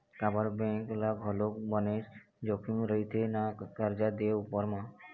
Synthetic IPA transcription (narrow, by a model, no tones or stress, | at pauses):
kabaɾbɛ̃ŋklabʱɔlokbɔneʃ | d͡ʒokʰimɾəit̪ʰenakəɾd͡ʒad̪eeupɔɾma